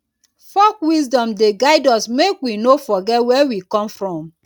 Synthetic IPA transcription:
fɔkwis̬dɔ̃mdeɡaɪdɔsmekwinofɔɡɛtwɛwikɔ̃mfɹɔ̃m

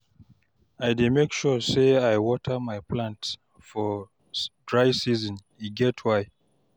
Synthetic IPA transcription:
ajdemekʃɔseajwɔtʰəmajpʰlãnts | fɔ | dɹaɪsizɔ̃n | iɡɛtʰwaɪ

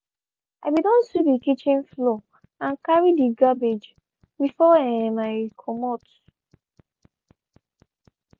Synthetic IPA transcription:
abidɔ̃nsipdikit͡ʃĩnflo | ãnkaɹidiɡabed͡ʒ | bifɔemaɪkʰɔmɔt

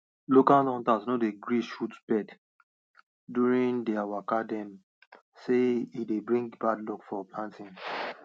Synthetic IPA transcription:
lokalɔ̃ntasnodeɡɹiʃutbɛd | djuɹĩŋdiawakadɛ̃m | seidebɹĩŋɡbadlukfɔplãntĩŋ

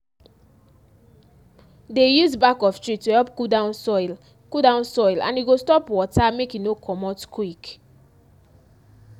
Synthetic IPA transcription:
dejuzbakɔftɹituhɛlpkudan | kudãʊ̃nsɔɪlã̰njuɡostɔpwɔtamekjunokʰɔmɔtkʰwik

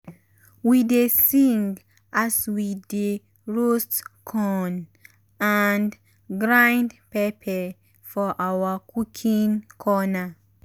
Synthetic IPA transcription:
widesĩŋɡ | ʔaswide | ɹostkʰɔ̃n | an | ɡɹãjndpɛpʰɛ | fɔʔawakʰukʰĩŋkʰɔna

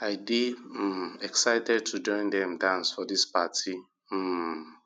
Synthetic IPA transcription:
aɪbi | ɛksaɪtɛd̚tʰud͡ʒɔ̃ɪ̃ndɛ̃mdãnsfɔdispatʰi

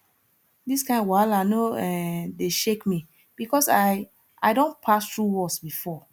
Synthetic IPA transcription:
diskãɪ̃nwalaɪnoɛ̃deʃekmi | b̥ikɔsaɪ | ʔa̰ɪdõnpʰastɹuwɔsbifɔ

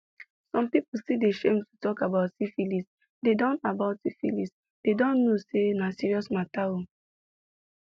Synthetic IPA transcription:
sɔ̃mpipusideʃẽmtutɔkabaʊtsifilis | dedɔ̃nabaʊtsifḭlis | d̥edɔ̃nːosenasiɹiɔsmatao

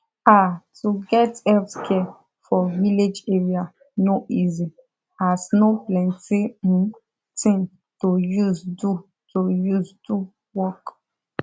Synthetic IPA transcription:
atuɡɛtɛlfskʰɛ | fɔviled͡ʒeɹia | noʔizi | asnoplɛ̃ntĩ | tĩn | tojuzdu | tojuzdu | wɔk

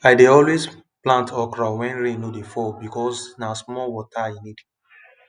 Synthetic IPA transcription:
ajdeɔlwes | plãntʰɔkɹawɛ̃nɹẽnodefɔbikɔsnasmɔlwɔtʰaĩnid

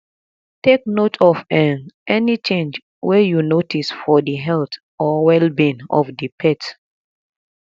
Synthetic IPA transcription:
tek̚notʰɔvɛ̃nʔɛnit͡ʃẽnd͡ʒ | wɛjunotisfɔdiɦɛlt | ʔɔwɛlbĩnɔ̰fdipʰɛt

